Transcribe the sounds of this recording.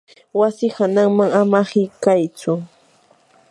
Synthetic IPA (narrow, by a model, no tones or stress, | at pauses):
wasɪhanaŋmaŋamahɪkajt͡sʊ